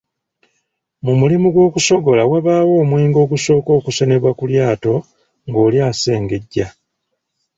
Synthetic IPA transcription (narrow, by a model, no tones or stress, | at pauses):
mumulimuɡwo̞ːkuso̞ɡo̞lawaβaːwo̞ːmwiːŋɡo̞ːɡuso̞ːko̞ːkuse̞ne̞βwakuljaːto̞ | ŋɡo̞ːljaːse̞ːŋɡe̞ɟːa